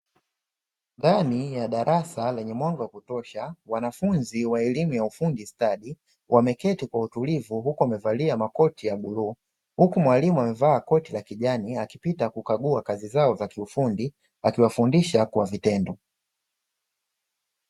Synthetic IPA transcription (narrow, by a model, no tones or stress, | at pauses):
ndanijaɗaɾʔasalɛɲɛmwaŋɡɔwakutɔʃawanafunziwaɛlimujaufundistaɗi | wʔamɛkɛtikwautulivuhukuamɛvaliamakɔtijaɡuluː | hukumwalimuamɛvaːkɔtilakiʄaniakipitakukaɠuakazizaɔzakiufundi | akiwafundiʃakuwavitɛndɔ